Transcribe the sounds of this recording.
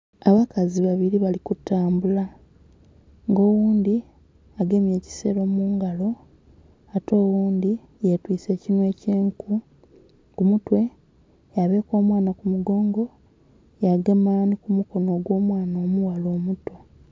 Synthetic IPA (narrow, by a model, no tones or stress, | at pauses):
aβakaziβaβiɾiβalikutːaːmbula | ŋɡo̞ːwuːnd̪i | aɡe̞mje̞ːci̥se̞ɾo̞muːŋɡalo̞ | ato̞ːwuːnd̪i | jetwiːt͡se̞ːcinwe̞ːceːŋku | kumutwe̞ | jaβe̞ːko̞ːmwaːnakumuɡo̞ːŋɡo̞ | jaɡemaːnikumuko̞no̞ːɡwo̞ːmwaːnoːmuwalo̞ːmuto